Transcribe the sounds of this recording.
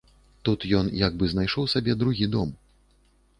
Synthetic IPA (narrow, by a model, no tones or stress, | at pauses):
t̪ut̪jɔnjaɡbɨznajʂɔwsʲabʲɛd̪ɾuɣʲid̪ɔm